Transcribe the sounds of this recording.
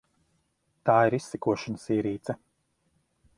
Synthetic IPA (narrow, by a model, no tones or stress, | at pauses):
t̪aːiɾisːɛkuɔʃanasiːɾiːt̪sɛ